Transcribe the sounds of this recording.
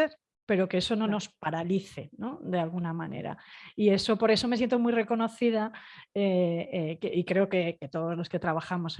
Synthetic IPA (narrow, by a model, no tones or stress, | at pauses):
eɾ | pe̞ɾo̞keeso̞no̞no̞spaɾaliθe̞no̞ðe̞alɣunamane̞̰ɾa̰ie̞so̞po̞ɾe̞so̞mejent̪omujre̞ko̞no̞θið̞aeekeikɾe̞oke̞ke̞t̪o̞ðo̞zlo̞ske̞t̪ɾaβ̞axamo̞s